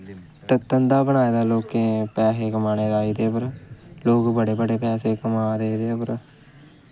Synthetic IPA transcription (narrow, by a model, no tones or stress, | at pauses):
t̪ət̪ːənd̪aːbəɳaːeːd̪aːloːkẽːpɛːseːkəmaːneːɾaːiːd̪eːpəɾloːkbəɽeːbəɖeːpɛːseːkəmaːd̪eːd̪eːpəɾ